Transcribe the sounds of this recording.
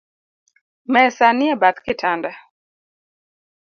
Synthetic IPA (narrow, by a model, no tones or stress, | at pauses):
mɛsanɪɛbat̪kɪtʰanda